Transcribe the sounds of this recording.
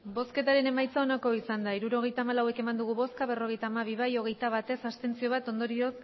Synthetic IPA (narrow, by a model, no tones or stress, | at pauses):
bo̞ske̞t̪aɾe̞ne̞majt͡sao̞nako̞isand̪aiɾuɾo̞ɣ̞e̞jt̪aːmalawe̞ke̞mand̪uɣ̞uβo̞skaβe̞ro̞ɣ̞e̞jt̪aːmaβiβajo̞ɣ̞e̞jt̪aβ̞at̪e̞sast̪e̞nt͡sio̞β̞at̪o̞nd̪o̞ɾio̞s